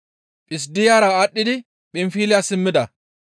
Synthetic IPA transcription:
pʼɪs̬d̪ɪjaːɾaːɗːɪd̪ɪ | pʼɪmfiːlɪjasɪmːɪd̪ɐ

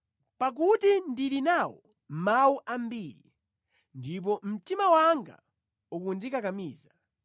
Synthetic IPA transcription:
pak̬utindilinawɔ | mawuʔambiːɾi | ndip̬ɔm̩timawaŋɡa̰ | ukundikakamiːza

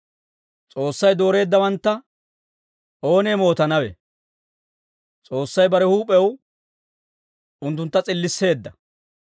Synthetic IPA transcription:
t͡sʼo̞ːsːɐjd̪o̞ːɾe̞ːd̪ːɐwɐnt̪ːɐ | ʔo̞ːnemo̞ːt̪ɐnɐwɛ̰ | t͡sʼo̞ːsːɐjbɐɾɛhuːpʼːɛw | ʊnt̪̬ːʊnt̪ːɐt͡sʼɪlːɪsːe̞ːd̪ːɐ

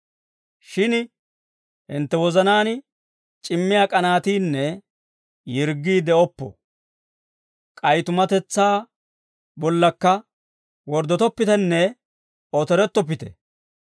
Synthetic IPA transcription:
ʃɪn | hɪnt̪ːɛwɔzɐnaːn | t͡ʃʼɪmːɪjakʼɐnaːt̪iːnːɛ | jɪɾɡːiːd̪ɛɔpːɔ̰ | kʼɐjt̪ʊmɐt̪ɛt͡sːaː | bɔlːɐkːɐ | wɔɾd̪ɔt̪ɔpːɪt̪ɛnːɛ | ɔt̪ɛɾɛt̪ːɔpːɪt̪ɛ̰

